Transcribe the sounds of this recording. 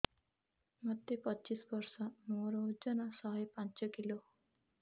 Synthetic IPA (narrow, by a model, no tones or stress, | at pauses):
mʌd̪epʌːt͡ʃisbʌɾsʌmoɾɔd͡ʒʌnʌsʌɦʌjpãnt͡ʃʌkilo